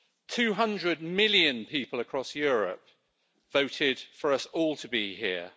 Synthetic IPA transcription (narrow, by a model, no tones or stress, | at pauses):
tʰʉːɦʌ̃ndɹəd̚mɪljə̃npʰiˑpələkʰɹ̥ɒsjɔːɹə̰p̚ | v̥əʊtʰɪd̥fəɹəsɔːlˠtʰəbihɪə